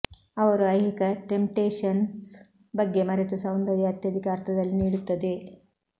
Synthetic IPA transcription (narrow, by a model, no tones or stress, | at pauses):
ɐʋɐɾuɐjɦikɐʈempʈeːʂɐns | bɐɡːe̞mɐɾet̪usɐwnd̪ɐɾiɦɐt̪jɐd̪ʱikaːɾt̪ɐd̪ɐlːiniːɽut̪ːɐd̪e̞